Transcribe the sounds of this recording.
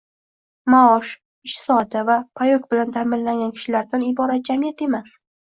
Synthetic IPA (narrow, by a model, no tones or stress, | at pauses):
maɒʃ | ɪʃt̪sɒd̪avapʰajokʲbɪlant̪ʰamɪlːaŋɡʲankʲʰɪ̥ʃɪlaɾd̪anɪbɒɾat̪̚d͡ʒamijat̪e̞mas